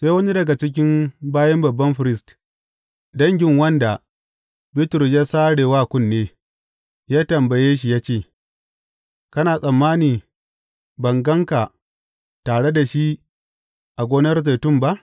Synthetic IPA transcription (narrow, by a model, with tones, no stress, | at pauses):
seː˦wɐ˦ni˦dɐ˨ɡa˨t͡ʃɪ˦k̬ʲɪ˦mbaː˦jɐ˦mbɐ˨bːɐ˦mɸɪ˨ɾɪ˦st | dɐ˦ŋɡʲɪ˦ŋwɐ˦nda˨ | bɪ˦tɾʊ˨s̬jaː˦saː˦ɽeː˨waː˦˨kʷʊ˦nːeː˦ | jaː˦tɐ˨mbɐ˨jeː˦ʃ̬i˨jaː˦t͡ʃeː˦˨ | kɐ˦naː˨sʼɐ˨mːaː˦niː˨ | bɐ˨ŋɡɐ˦ŋka˨ | taː˨ɽe˦da˨ʃi˦ | ʔa˨ɡʷoː˦nɐ˦rze˨tʊ˦˨mba˦ʔ